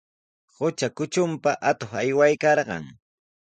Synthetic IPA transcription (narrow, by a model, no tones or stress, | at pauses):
hʊt͡ʃakʊt͡ʃʊmpaʔat̪oχajwajkɑɾɢɑ̰ŋ